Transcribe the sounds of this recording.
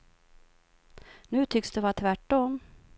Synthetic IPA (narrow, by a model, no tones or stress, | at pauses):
nʉ̟ːt̪ʰʏksd̪ɵvat̪ʰvæʈːɔm